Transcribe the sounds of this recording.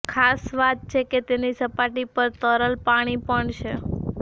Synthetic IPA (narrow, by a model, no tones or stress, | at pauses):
kʰasʋat̪̚t͡ʃʰeket̪enisəpaʈipəɾt̪əɾəlpaɽ̃ipəɳt͡ʃʰe